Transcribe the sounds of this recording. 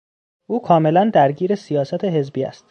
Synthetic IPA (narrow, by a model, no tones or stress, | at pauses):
ʔuːkʰɒːme̞lænd̪æɾɟiːɾe̞sijɒːsæt̪ʰeɦe̞zbiːæ̰st̪